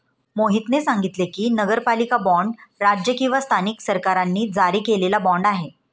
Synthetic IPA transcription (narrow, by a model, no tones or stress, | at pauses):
moɦit̪nesaŋɡit̪lekiːnəɡəɾpalikabɔ̃ɳɖɾad͡ʑjəkĩw̃ʋast̪ʰaniksəɾkaɾanːiːd͡zaɾiːkelelabɔɳɖaɦe